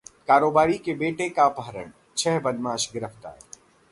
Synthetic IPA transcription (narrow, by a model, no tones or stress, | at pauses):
kaːɾoːbaːɾikebeːʈekapəɦɾə̰ɳ | t͡ʃʰɛɦbɐd̪maːʃɡɪɾəft̪a̰ːɾ